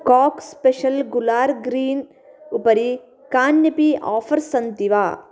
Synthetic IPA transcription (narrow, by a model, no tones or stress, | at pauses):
kaːkspeʃɐlɡulaːɾɡɾiːn | upɐɾi | kaːnjɐpia̰ːfʰɐɾsɐnd̪iʋaː